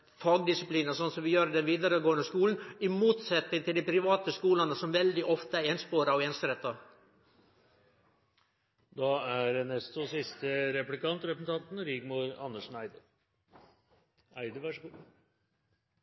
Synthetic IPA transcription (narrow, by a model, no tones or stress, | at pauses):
fɑːɡd̪ɪsɪpliːnəsɔnsɔmʋɪjøːɾəd̪ɛnʋiːd̪ɑɾəɡoːənəskuːln̩ɪmuːt̪sɛt̪nɪŋt̪ʰɪld̪ɪpʰɾɪʋɑːt̪əskuːlɑnəsɔmʋɛld̪ɪʔɔft̪əæɛnspoːɾɑɔɛːnsəɾɛt̪ːɑ | d̪ɑæɖɛnɛst̪ɔsɪst̪əɾɛplɪkɑnt̪ɾɛpəsn̩t̪ʰɑnt̪nɾɪɡmuːɾɑnːəʂnæɪd̪ə | æɪd̪əʋɑʂɡuː